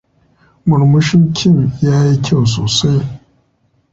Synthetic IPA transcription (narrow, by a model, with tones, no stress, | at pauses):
mʊ˨ɾmʊ˦ʃɪ˦ŋkʲʰɪ˦˨mjaː˦ji˦kʲa˦˨ws̬oː˨sa˦j